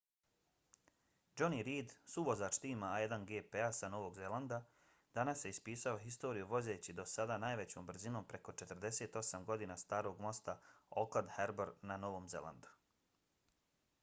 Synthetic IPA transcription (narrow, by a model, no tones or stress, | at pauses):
d͡ʒo̞niɾiːd̪suʋozaːt͡ʃt̪iːmaːjed̪anɡeːpeasano̞ʋo̞ɡzelˠand̪a | d̪̥anasje̞ispiːsao̞ɦist̪o̞ːɾijuʋo̞ze̞ːt͡ɕid̪o̞sad̪anaːjʋet͡ɕo̞ːmbɾ̩zino̞ːmpɾe̞ko̞t͡ʃe̞t̪r̩d̪e̞se̞ːt̪o̞samɡo̞d̪iːnast̪aːɾo̞ːɡmo̞st̪ao̰klad̪heɾbeɾnano̞ʋo̞ːmze̞̰lˠa̰nd̪u̥